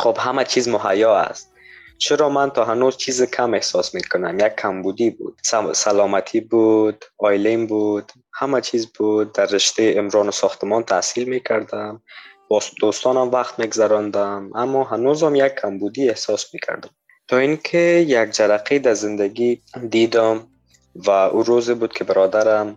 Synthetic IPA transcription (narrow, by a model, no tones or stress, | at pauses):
xobhamat͡ʃʰizmʊɦajɔa̰st̪ | t͡ʃʰɪɾɔmant̪ʰɔːɦanozt͡ʃʰizɪkʰamehsɔsmekʰʊnamjakʰːambud̪ibṵd̪̥ssalɔmat̪ʰibud̪ɔjlembud̪ | hamat͡ʃʰizbud̪̚d̪aɾːɪʃt̪ejɪmɾɔnʊsɔxt̪ɪmɔnt̪ʰa̰silmekʰaɾd̪ambɔd̪ost̪ɔnamvaqt̪meɡzaɾɔnd̪amamːɔɦanozamjakʰːambud̪iehsɔsmekʰa̰ɾd̪ʊm | t̪ʰɔinkʰejaɡ̚d͡ʒaɾaqʰed̪azɪnd̪aɡid̪id̪ʊm | vaʔuɾozɪbud̪̚kʰɪbɪɾɔd̪aɾam